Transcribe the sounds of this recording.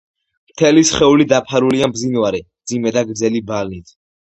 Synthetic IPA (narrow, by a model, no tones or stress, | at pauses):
mt̪ʰɛlisχɛulid̪apʰaɾuliambzinvaɾɛmd̪zimɛd̪aɡɾd̪zɛlibalnit̪ʰ